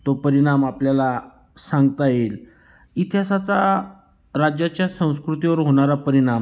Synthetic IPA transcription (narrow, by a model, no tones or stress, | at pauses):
t̪opəɾiɽ̃amapljala | sãŋɡt̪ajel | it̪ʰjasat͡sa | ɾad͡ʑjat͡ɕjasə̃w̃skɾut̪iʋəɾɦoɽ̃aɾapəɾiɽ̃am